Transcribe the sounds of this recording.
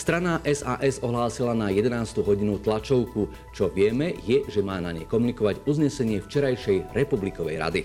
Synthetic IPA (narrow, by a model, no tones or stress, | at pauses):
st̪ɾanaʔɛzaːʔɛzɔɦlaːsilanajɛd̪ɛnaːst̪uːɦɔɟinut̪lat͡ʃɔʊku | t͡ʃɔʋɪɛmɛjɛʒɛmaːnaɲɛ̰jkɔmunikɔʋaɟuzɲɛsɛɲɪɛft͡ʃɛɾajʃɛjɾɛpublikɔʋɛ̰jɾa̰d̪i